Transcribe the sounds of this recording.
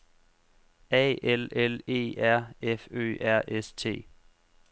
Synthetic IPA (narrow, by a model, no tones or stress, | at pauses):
ɛ̰ːelele̝̰ːæɐ̰efø̰ːʔæɐ̰ʔest͡sʰe̝̰ː